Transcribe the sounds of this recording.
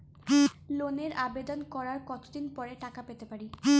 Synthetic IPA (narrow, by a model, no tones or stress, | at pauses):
loneɾabed̪onkɔɾaɾkɔt̪od̪inpɔɾeʈakapet̪epaɾi